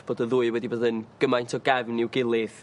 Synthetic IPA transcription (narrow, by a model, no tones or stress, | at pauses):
b̥oːdəðuːɨwɛdiboːðənɡ̥əmajntʰɔɡɛvniwɡɪlˠɪð